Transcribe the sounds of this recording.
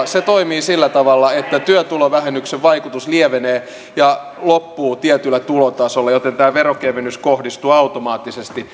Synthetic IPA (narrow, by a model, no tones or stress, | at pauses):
set̪oimiːsilːæt̪ɑʋɑlːɑet̪ːæt̪yøt̪uloʋæhenːykseʋʋɑikut̪usliɛʋeneː | jɑ | lopːuːt̪iɛt̪ylːˑæt̪ulot̪ɑsolːɑjot̪ent̪æːʋeɾokeʋenːyskohdist̪uːɑut̪omɑːt̪ːisest̪i